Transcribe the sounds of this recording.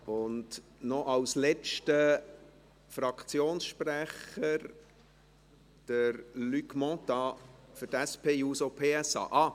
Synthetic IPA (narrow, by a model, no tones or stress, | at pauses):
ʊndnɔʔɑwslɛt͡ʃtə | fɾɑkʰt͡sjoːnsʃpræχəɾ | d̥əɾlykmɔ̃t̪ɑfʏtæspʰeːuːsopʰeːɛsɑ̰ːʔɑː